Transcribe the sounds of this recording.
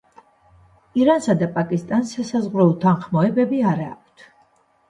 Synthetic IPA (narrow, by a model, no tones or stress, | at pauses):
iɾansad̪apʼakʼist̪ʼansasazʁɾɔut̪ʰanχmɔɛbɛbiaɾaːk̚ʷʼʰt̪ʰ